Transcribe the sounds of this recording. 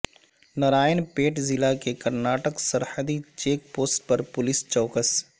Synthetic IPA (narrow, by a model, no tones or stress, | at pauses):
nɐɾaːjənpeːʈzɪlakekɐɾnaːʈəksɐɾhəd̪it͡ʃeːk̚poːsʈpɐɾpʊlɪst͡ʃɔːkəs